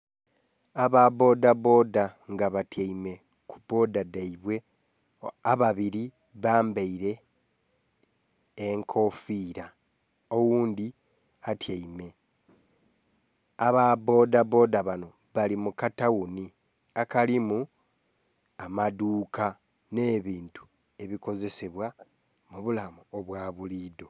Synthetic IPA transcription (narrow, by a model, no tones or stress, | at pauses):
aβabo̞ːdabo̞ːdaŋɡaβatjaime̞ | kubo̞ːdadaiβwe̞ | aβaβiɾi | βaːmbeiɾe̞ | ŋkʰo̞fiːɾa | owuːnd̪i | atʰjaime̞ | aβabo̞ːdabo̞ːdaβano̞ | βalimukatawuni | akalimu | amaduːkʰa | ne̞ːβiːntu̥ | e̞βiko̞ze̞se̞βwa | muβulamuoβwaːβuliːdo̞